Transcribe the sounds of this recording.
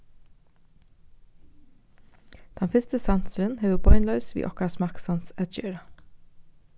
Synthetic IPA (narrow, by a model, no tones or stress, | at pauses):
d̪̥ɛnfɪst̪əsænsəɾənheːʋəbɔʏnlœʉsʋḭːʔɔkɑsmɑksɑnsœt̪çøːɹɑ